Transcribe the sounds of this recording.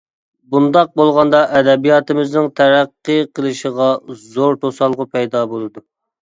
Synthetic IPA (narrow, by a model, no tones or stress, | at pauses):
bund̪ɑq̚bolˠʁɑnd̪ɑʔɛd̪ɛbijɑt̪ɨmɪznɪŋt̪ʰæɾæqːəqʰəlˠɨʃəʁɑzoɾt̪ʰosɑlˠʁʊpʰɛjd̪ɑbolˠɨd̪u